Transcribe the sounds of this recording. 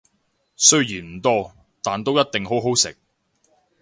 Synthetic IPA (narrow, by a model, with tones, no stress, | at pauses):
sɵ˥ɥjiː˨˩nm̩˨˩t̪ɔː˥ | t̪aː˨˩nt̪o˥wjɐ˥t̚t̪ɪ˨ŋɦo˨˥wɦo˨˥wsɪ̰˨k̚